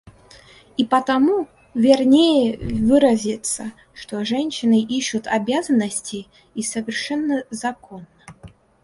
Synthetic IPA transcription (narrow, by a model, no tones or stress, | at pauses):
ipət̪ɐmu | vʲɪrnʲejɪvɨɾəzʲɪt̪sə | ʂt̪oʐɛnʲɕːɪnɨʔiɕːʊt̪ʰɐbʲazənːəsʲtʲɪ | isəvʲɪrʂɛnːəzɐkonːə